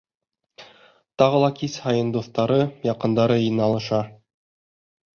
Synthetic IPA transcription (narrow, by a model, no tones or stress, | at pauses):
t̪ɑʁɤ̆lˠɑkishɑjɤ̆nd̪uθt̪ɑɾɤjɑqɤ̆nd̪ɑɾɤinɑlˠɤ̆ʃɑ